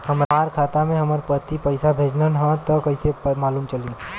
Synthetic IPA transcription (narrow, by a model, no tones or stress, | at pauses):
həmɾaaːɾkʰaːt̪amẽɦɐməɾpət̪ipəɪsabʱeːd͡ʒlənɦãt̪əkəɪsemaːluːmt͡ʃɐlĩ